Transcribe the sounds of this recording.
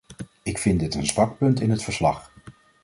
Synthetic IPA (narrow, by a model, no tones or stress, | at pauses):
ɪkfɪndɪtənzʋɑk̚pɵntɪnɦətfəɹslɑ̰χ